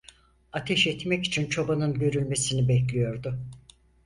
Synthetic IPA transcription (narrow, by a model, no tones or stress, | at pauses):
at̪ʰɛʃɛt̪mɛci̥t͡ʃʰint͡ʃʰo̞banɯnɟø̞ɾylʲme̞sinibɛclʲijo̞ɾd̪ʊ